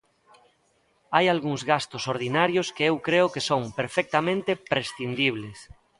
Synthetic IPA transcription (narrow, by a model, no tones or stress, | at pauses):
ajalɣuŋzɣast̪osoɾð̞inaɾjoskeewkɾeʊkesoŋpeɾfɛk̚t̪amẽnt̪epɾesθind̪iβ̞les